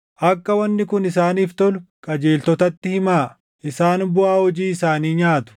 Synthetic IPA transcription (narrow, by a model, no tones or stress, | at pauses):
ʔɐkːɐwɐnːɪkʊnɪs̬aːniːft̪ɔlʊkʼɐd͡ʒeːlt̪ɔt̪ɐt̪ːɪhɪmaː | ʔɪsaːnbʊaːhɔd͡ʒiːɪsaːniːɲaːt̪ʊ̥